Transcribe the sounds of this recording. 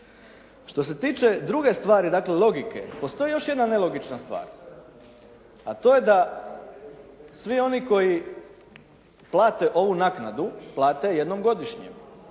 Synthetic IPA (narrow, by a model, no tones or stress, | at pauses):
ʃt̪o̞s̬e̞t̪iːt͡ʃe̞d̪ɾuɡe̞st̪ʋaːɾid̪aːkle̞lˠo̞ɡike̞̰po̞st̪o̞jijo̞ʃje̞d̪nane̞lo̞ɡit͡ʃnast̪ʋa̰ːɾ | at̪o̞ːjed̪a | sʋio̞niko̞ji | plˠaːt̪e̞ʔo̞ʋunaknad̪uplˠaːt̪e̞jed̪no̞mɡo̞d̪iʃɲḛm